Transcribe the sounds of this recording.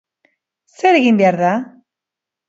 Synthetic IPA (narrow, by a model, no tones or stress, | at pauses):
seɾeɣimbeaɾða